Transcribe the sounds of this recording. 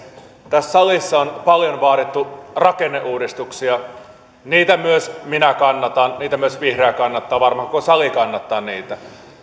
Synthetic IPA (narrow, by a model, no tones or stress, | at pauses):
t̪æsːɑlisːɑonpɑljonʋɑːɾit̪ːurɑkenːeʔuːdist̪uksiɑ | niːt̪æmyøsminækɑnːɑt̪ɑnniːt̪æmyøsʋihreækɑnːɑt̪ːɑːʋɑrmɑhkkosɑlikɑnːɑt̪ːɑːnniːt̪æ